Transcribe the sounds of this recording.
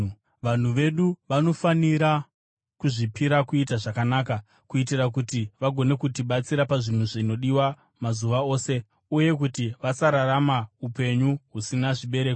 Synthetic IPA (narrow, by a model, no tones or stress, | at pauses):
ʋan̤uʋe̞ɗuʋano̞faniɾa | kuʐipiɾakuitaʐakanaːka | kuit̬irakutiʋaɡʱo̞ne̞kutiɓat͡siɾapaʐin̤uʐino̞ɗiwa | mazuʋao̞ːse̞ | uje̞kutiʋasaɾaramaupe̞ɲuɦusinaʐiɓe̞ɾe̞ːk